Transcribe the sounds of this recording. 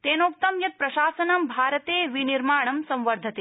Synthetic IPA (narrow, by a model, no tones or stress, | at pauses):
t̪eːnoːk̚t̪ɐmjɐt̪̚pɾɐʃaːsɐnɐmbʱaːɾɐt̪eːʋiniɾmaːɳ̃ɐmsɐ̃mʋɐɾd̪ʱɐt̪e